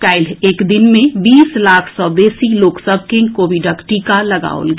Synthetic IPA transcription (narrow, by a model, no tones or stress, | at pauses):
kaːɪleːkd̪ɪnmẽbiːslaːkʰsɔːbeːsiloːksəb̚ʱkɪ̃ŋkoːbʱɪɖəkʈiːkalɐɡa̰ːo̰lɡ